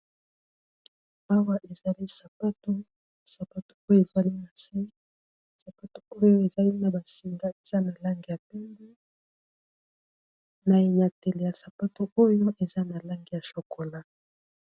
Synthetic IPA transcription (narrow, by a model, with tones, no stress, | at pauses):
a˦wa˦ʔe˨za˨li˦sa˨pa˦to˦ | sa˨pa˦to̥˦o˦jo˦e˨za˨li˦na˨si˦ | ssa˨pa˦to̥˦o˦jo˦e˨za˦li˦na˨ba˨si˨ŋɡa˦e˨z̥a˦na˨la˦ŋɡi˨ja˨tɛ˦mbɛ˦ | na˨je˨na˨tɛ˨le˨ja˨sa˨pa˦to˦o˦jo˦ʔe˨za˦na˨la˦ŋɡi˨ja˨so˨ko˨la˦